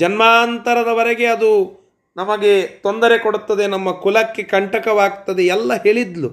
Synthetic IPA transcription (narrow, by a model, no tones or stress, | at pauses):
d͡ʒɐnmaːnt̪ɐɾɐd̪ɐʋɐɾeɡe̞ɐd̪u | nɐmɐɡe̞t̪o̞nd̪ɐɾe̞koɽut̪ːɐd̪e̞nɐmːɐkulɐkːe̞kɐɳʈɐkɐʋaːɡt̪ɐd̪eɛlːɐɦe̞ːɭid̪lu